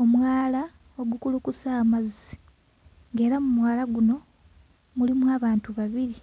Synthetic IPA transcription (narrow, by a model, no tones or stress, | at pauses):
omwaːla | o̞ɡukulukusaːmazi | ŋɡe̞ːɾamumwaːlaɡuno̞ | mulimwaːβaːntuβaβiɾi